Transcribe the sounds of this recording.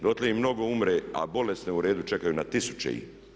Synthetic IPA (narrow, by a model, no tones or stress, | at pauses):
d̪ot̪leimno̞ɡo̞umɾea̰bo̞le̞sneuɾe̞ːd̪ut͡ʃe̞kajunat̪isu̥t͡ʃḛḭ